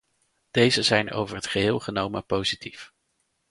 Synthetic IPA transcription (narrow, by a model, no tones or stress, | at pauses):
d̥ejzəzɛjno̰wvəɹɦətχəɦɪːlˠχənowməpowzitif